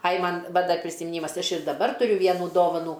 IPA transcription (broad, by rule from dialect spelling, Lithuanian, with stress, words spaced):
ɐj ˈmɐn ˈʋɐ ˈdɐr pʲrʲɪsʲɪmʲɪˈnʲiːmɐs ˈɐʃ ɪr dɐˈbɐr tʊˈrʲʊ ˈʋʲiɛnuː ˈdoːʋɐnuː